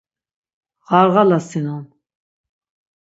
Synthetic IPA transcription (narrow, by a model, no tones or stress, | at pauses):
ʁaɾʁalasinɔn